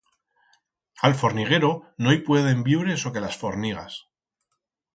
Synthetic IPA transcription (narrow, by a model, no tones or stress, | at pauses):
alfo̞ɾniɣ̞e̞ɾo̞no̞ajpwe̞ð̞e̞mbiβɾe̞so̞ke̞lasfo̞ɾniɣ̞a̰s